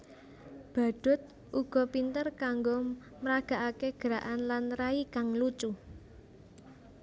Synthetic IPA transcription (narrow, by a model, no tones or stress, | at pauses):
b̥a̤ɖ̪̥ʊ̤t̪̚ | ʔuɡ̥ɔ̤pint̪ərkaŋɡo | məɾaɡ̥a̤ʔakeɡ̥əɾaʔanlanraikaŋlut͡ʃu